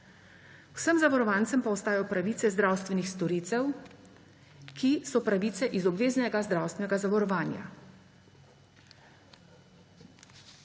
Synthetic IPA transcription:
wsəmzaʋɔɾɔʋaːnt̪səmpawst̪aːjɔpɾaʋiːt̪sɛzd̪ɾawst̪ʋɛnixst̪ɔɾiːt̪ɛw | kʰisɔpɾaʋiːt̪sɛʔizɔbʋeːznɛɡazd̪ɾawst̪ʋɛnɛɡazaʋɔɾɔʋaːnja̰

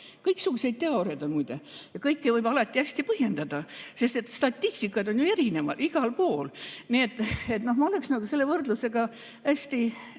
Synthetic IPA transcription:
kɤjksuɡ̥use̞jd̪̚t̪eɑoɾed̪ɑmujd̪̥ejɑkɤjkːevɤjbɑlɑt̪ʲːˑiæsʲt̪ipɤhje̞nd̪ɑd̪̥ɑse̞st̪e̞t̪ːst̪ɑt̪ʲːisʲt̪ikːˑɑd̪o̞njue̞ɾine̞mɑ̰d̪iɡ̥ɑlpo̞ːlnie̞t̪ːˑet̪no̞hmɑoleksnɑɡ̥use̞lːe̞vɤrd̪̥luse̞ɡ̥ɑ | æsʲt̪i

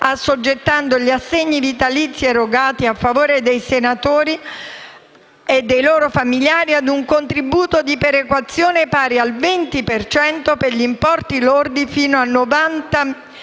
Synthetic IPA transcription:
asod͡ʒːet̪ːand̪oʎiasːeɲːid̪it̪alit̪sːieroɡaːt̪iafːavoːɾed̪ejsenat̪oːɾi | ed̪ːejloːɾofamiljaːɾiad̪uŋkont̪ɾibuːt̪od̪ipeɾekwat̪sːjoːnepaːɾialvent̪ipert͡ʃɛnt̪operʎimpɔrt̪ilord̪ifiːnoanːovant̪a

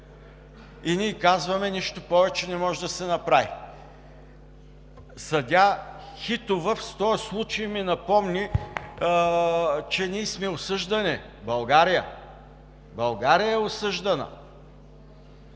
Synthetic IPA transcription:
iniːkazvɐmɛniʃt̪opɔvɛt͡ʃɛnɛmɔʒɛd̪ɐsɛnɐpɾavi | sɐd̪ʲaxit̪ʊvəfst̪ɔəslˠut͡ʃɐiminɐpɔmni | t͡ʃɛnʲiːsmɛʊsɤʒd̪ɐnɛ | bɐlˠɡaɾijə | bɐlˠɡaɾijəɛʊsɤʒd̪ɐnə̰

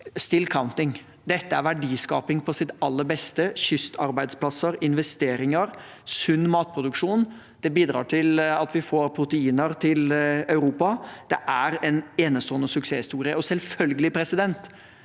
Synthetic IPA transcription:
st̪ɪlkʰaʊnt̪ɪŋ | d̪ɛt̪ːəæɾʋæɖiːskɑ̰ːpɪŋpʰɔsɪt̪ɑlːəɾbɛst̪əçʏst̪ʰɑɾbæɪd̪spʰlɑsəɾɪnʋɛst̪eːɾɪŋəɾ | sʉnːmɑːt̪̚pʰɾʊd̪ʉkʂuːn | d̪̥ɛbiːd̪ɾɑ̰ːʈʰɪlɑt̪ʋɪfoːɾpʰɾʊt̪əiːnəɾt̪ʰɪlɑʉɾuːpɑd̪̥ɛʔæɾɛneːnəst̪oːənəsʉkseːhɪst̪uːɾɪəɔsɛlfœlɡəlɪpʰɾɛsɪd̪ɛnt̪

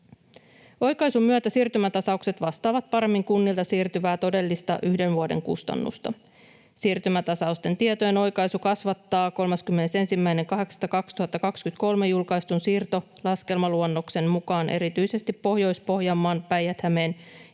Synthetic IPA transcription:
o̞jkɑjsumyæt̪æsiːrt̪ymæt̪ɑsɑukse̞t̪ʋɑst̪ɑːʋɑt̪̚pɑɾe̞mːiŋkunːilt̪ɑsiːrt̪yʋæːt̪o̞de̞lːist̪ɑ̰ʔyhde̞nʋuode̞̰ŋkṵst̪ɑ̰nːṵst̪ɑ̰ | siːrt̪ymæt̪ɑsɑust̪e̞nt̪iet̪ojeno̞jkɑjsukɑsʋɑt̪ːɑːko̞lmɑskymːe̞ne̞se̞nsimːæjne̞ŋkɑɦe̞kst̪ɑkɑkst̪uhɑt̪ːɑkɑkskyt̪ko̞lme̞julkɑjst̪unsiːrt̪o̞ | lɑske̞lmɑluonːo̞kse̞mmukɑːnʔe̞̰ɾit̪yjse̞st̪ipːo̞hjo̞jspo̞ɦjɑmːɑːnpæjæt̪hæme̞ːn

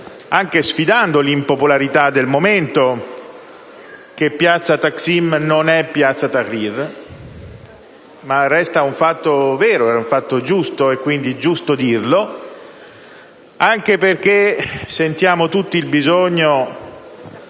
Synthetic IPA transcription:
aŋk̟esfid̪and̪olimpopolaɾit̪ad̪ːelmoment̪o | k̟epːjat̪sːat̪aksimnonɛpːjat̪sːat̪akːir | marːɛst̪auɱfat̪ːovɛːɾoɛuɱfat̪ːod͡ʒust̪oekːwind̪id͡ʒust̪od̪irlo | aŋkeperk̟esent̪jaːmot̪ut̪ːiːlbizoɲːo

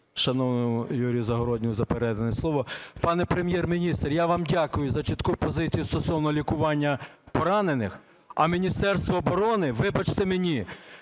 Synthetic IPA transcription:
ʃɐnɔwnɔjʊjuɾʲijʊzɐɦɔɾɔd̪ʲnʲʊjʊzɐpeɾɛd̪ɐnɛslˠɔʋɔpɑnɛpɾemʲjɛrmʲinʲist̪rjaʋɑmdʲakʊjʊzɐt͡ʃɪt̪kupɔzɪt͡sʲijʊst̪ɔsɔwnɔlʲikʊʋɑnʲːɐpɔɾɑnenɪx | ɐmʲinʲist̪ɛrst̪ʋɔːbɔɾɔnɪʋɪbɐt͡ʃt̪emenʲi

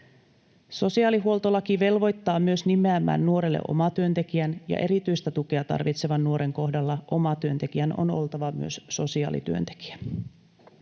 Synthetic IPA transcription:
so̞siɑːliɦuo̞lt̪olːɑkiʋe̞lʋo̞jt̪ːɑːmyø̞snimeæmːæ̰ːnːuo̞ɾelːḛʔo̞̰mɑt̪yønt̪e̞kiænjɑ̰ʔe̞ɾit̪yjst̪æt̪uke̞ɑt̪ɑ̰rʋit̪se̞ʋɑnːuo̞ɾʔe̞ŋko̞hdɑlːɑʔo̞mɑt̪yø̞nt̪e̞kiæno̞̰no̞̰lt̪ɑʋɑmy̰øsso̞siɑ̰ːlḭt̪yø̞̰nt̪e̞̥ki̥æ

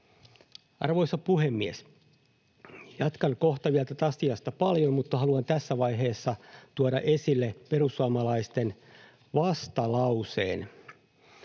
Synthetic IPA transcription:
ʔɑ̰rʋo̞jsɑpuhemːies | jɑt̪kɑŋko̞ht̪ɑʋiælt̪æt̪ɑst̪iɑst̪ɑpɑljommut̪ːɑhɑluɑnt̪æsːæʋɑjɦe̞ːsːɑt̪uɑɾɑ̰ʔesilːepe̞rusːuɑmɑlɑist̪en | ʋɑst̪ɑlɑuse̞̰ːn

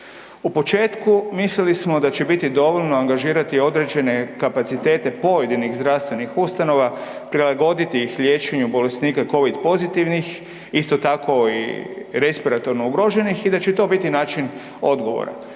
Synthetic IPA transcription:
upo̞t͡ʃe̞ːt̪kumislilismo̞d̪at͡ɕebit̪id̪o̞ʋoʎno̞aŋɡaʒiːɾat̪io̞d̪ɾe̞d͡ʒe̞ne̞kapat̪sit̪e̞ːt̪e̞po̞jed̪iniɣzd̪ɾaʋst̪ʋe̞nixust̪ano̞ʋa | pɾilaɡo̞d̪it̪iixʎjet͡ʃe̞ɲubo̞le̞sniːkako̞ʋid̪po̞zit̪iʋnix | ist̪o̞t̪ako̞ḭɾe̞spiɾat̪o̞ɾno̞uɡɾo̞ːʒe̞nixid̪at͡ɕet̪o̞bit̪inaːt͡ʃin | o̞d̪ɡo̞ʋo̰ɾa̰

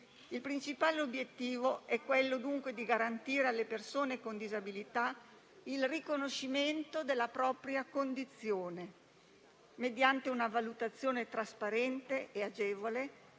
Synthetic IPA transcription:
ilpɾint͡ʃipaːleobjet̪ːiːvoɛkːwelːod̪uŋkwed̪iɡaɾant̪iːɾealːepersoːnekond̪izabilit̪a | ilrikonoʃiment̪od̪elːapɾɔːpɾjakond̪it̪sːjoːne | med̪jant̪eunavalut̪at̪sːjoːnet̪ɾaspaɾɛnt̪eʔead͡ʒeːvole

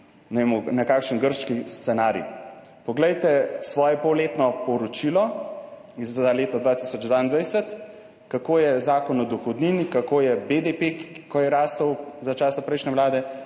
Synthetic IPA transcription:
nɛeːmɔnakaːkʃənɡəɾʃkist̪sɛnaːɾjḭ | pɔɡlɛjt̪ɛsʋɔːjɛpɔwleːt̪nɔpɔɾɔt͡ʃilɔ | izaleːt̪ɔd̪ʋaːt̪isɔd͡ʒd̪ʋaind̪ʋajsət̪ | kakoːjɛzaːkɔnɔd̪ɔxɔd̪niːnikakoːjɛbed̪epekɔjɛɾaːst̪əwzat͡ʃaːsapɾɛjʃnɛʋlaːd̪ɛ

